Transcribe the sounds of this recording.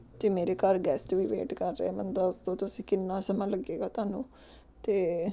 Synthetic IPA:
d͡ʒ̪eːmeːɾeːkəɾɡɛːsʈʋiːʋḛːʈkəɾːḛɛːmənd̪ɔːst̪õːt̪ʊsĩːkɪnːãːsəmãːləɡeːɡaːt̪ʊaːnũː | t̪eː

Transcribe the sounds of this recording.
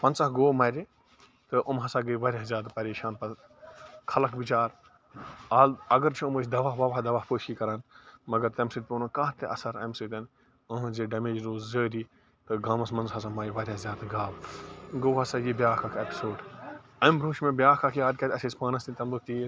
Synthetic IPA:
pɐnt͡sɐɦɡoːmɐːɾʲi | t̪ɨʔɐmɦɐsaːɡəʋɐɾʲjazjaːd̪pɐɾeːʃaːnpɐl | kʰɐlɐkʰbit͡ʃaːɾ | aːlɐɡɐɾt͡ʃʰuːməːt͡ʃd̪ɐʋaːɦʋɐʋaːd̪ɐʋaːpoːʃiːkɐɾaːnmɐɡɐɾt̪ɐmsɨt̪̚ʲpʲoːnokaːt̪eʔɐ̰sɐɾɐ̰msɨt̪ɐn | ɐm̃zeːɖɐmeːd͡ʒɾoːzzəːɾiː | t̪ɨɡaːmɐsmɐnzɦɐsamaːɾiʋɐɾʲazʲjaːd̪aɡaːbɡoːɦɐsajibjaːkʰakʰepi̥soːɖɐmɾoːʃmẽbjaːkakʰiaːd̪̚kʲɐt̪ʲɐseːspaːnɐst̪int̪ɐmd̪ukt̪iːɾ

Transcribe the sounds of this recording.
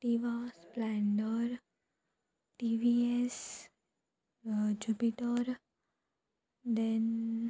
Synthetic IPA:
ʈiʋasplɛ̃ɳɖəɾ | ʈiʋies | d͡ʒupiʈəɾ | d̪ẽn

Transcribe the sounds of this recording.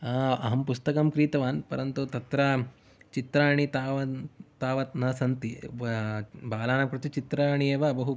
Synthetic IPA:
aːɐ̰ɦɐmpust̪ɐkɐmkɾiːt̪ɐʋaːnpɐɾɐnt̪ut̪ɐt̪ɾɐ | t͡ʃit̪ɾaːɳit̪aːʋɐt̪aːʋɐt̪nɐsɐnt̪i | baːlaːnɐmkɾut̪it͡ʃit̪ɾaːɳieːʋɐːbɐɦu

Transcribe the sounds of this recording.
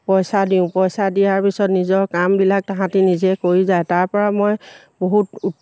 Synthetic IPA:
pɔjsadiʊ̃pɔjsadijaɹpisɔtnizɔɹkambilak̚taɦãtinizɛkoɹizajtaɹpɔɹamɔj | boɦutu

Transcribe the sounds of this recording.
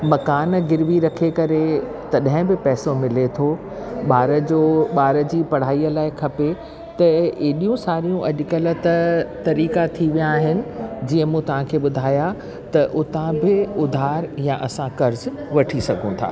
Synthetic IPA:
mɐkaːnɡɪɾʋiɾɐkʰekɐɾe | t̪ɐɗɐɦɪ̃bɪpɛːsomɪlet̪ʰo | ɓaːɾəd͡ʑoːɓaːɾəd͡ʑiːpɐɽ̤aːiːəlaːɪkʰɐpe | t̪ɐeːɗijũsaːɾijũʔɐʄʊkɐlət̪t̪ɐɾiːkat̪ʰiʋijaːɦɪnɪ̆d͡ʑiːə̃mũːt̪ɐʋ̤ãkʰeːɓʊd̪ʱaːja | t̪ɐʔʊt̪ãbɪʊd̪ʱaːɾjãʔɐsãkɐɾz | ʋɐʈʰisɐɡʱũt̪ʰa̰ː

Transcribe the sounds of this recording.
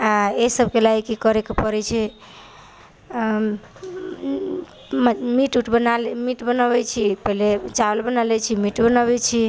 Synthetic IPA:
aesəb̚ʱkelaikikəɾekepəɾɛt͡ʃʰɛ | mmiʈuʈʰbənalmiʈbənəbɛt͡ʃʰipəɦilet͡ʃalbənalɛt͡ʃʰimiʈbənaβɛt͡ʃʰi

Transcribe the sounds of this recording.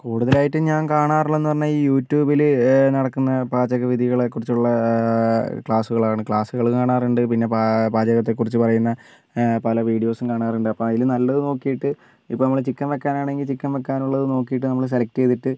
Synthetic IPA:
kuːɽuðɐlaːjiʈːɨɲaːnkaːɳaːruɭːe̞nːɨpɐrɐɲːɐiːjuːtːjuːbilɨnɐɽɐkːunːɐbaːd͡ʑɐɣɐʋiðʱiɣɐɭekːurit͡ɕːuɭːɐ | kɭaːsuɣɐɭaːɳɨkɭaːsuɣɐɭukaːɳaːruɳɖɨpinːe̞papaːd͡ʑɐɣɐt̪ːe̞kːurit͡ɕːɨpɐrɐjunːɐ | pɐlɐʋiːɽijo̞ːsumkaːɳaːruɳɖɨɐpːomɐjilɨnɐlːɐðɨno̞ːkːijiʈːɨ | ipːonɐːɐɭt͡ɕikːɐnʋekːaːnaːɳe̞ŋɡilt͡ɕikːɐnʋekːaːnuɭːɐðɨno̞ːkːijiʈːɨnɐmːɐɭs̬e̞lɐk̚teːðiʈːɨ

